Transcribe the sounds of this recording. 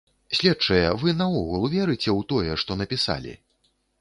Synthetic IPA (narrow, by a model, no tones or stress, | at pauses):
sʲlʲɛtt͡ʂɐjɛvɨnɐɔɣulˠvʲɛɾɨt͡sʲɛwt̪ɔjɛʂt̪ɔnɐpʲisa̰lʲḭ